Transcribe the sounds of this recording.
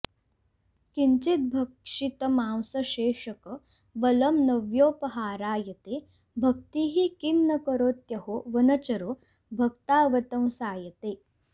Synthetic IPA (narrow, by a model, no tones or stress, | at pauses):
kiɲt͡ʃit̪̚bʱɐkʂit̪ɐmãːwsɐʃeːʂɐkɐ | bɐlɐmnɐʋjoːpɐɦaːɾaːjɐt̪eː | bʱɐkt̪iːɦikinːɐkɐɾoːt̪jɐɦoːʋɐnɐt͡ʃɐɾoː | bʱɐkt̪aːʋɐt̪ɐw̃saːjɐt̪eː